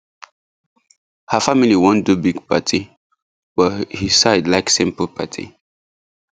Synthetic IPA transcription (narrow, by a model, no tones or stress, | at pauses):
həfamiliwɔ̃ndubiɡpʰa̰tʰi | bəhi̥saɪdlaɪksĩmpəlpʰa̰tʰḭ